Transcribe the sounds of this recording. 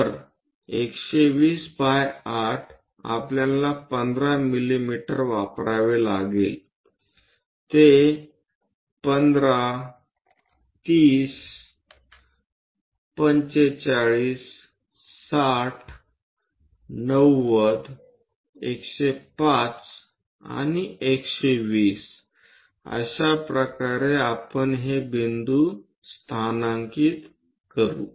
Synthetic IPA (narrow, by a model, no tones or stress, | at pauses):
əɾ | ekɕeʋiːsbajaʈʰ | a̰pljãnlapənd̪ɾamilimiʈəɾʋapɾaʋela̰ɡḛl | t̪e | pənd̪ɾa | t̪iːs | pəɲt͡ɕet͡ɕaɭiːsː | aʈʰ | nəwːəd̪ | ekɕepat͡s | a̰niʔekɕeʋiːs | ə̰ɕapɾəkaɾeapəɳɦebind̪u | st̪ʰanãŋkiːt̪ | kəɾṵː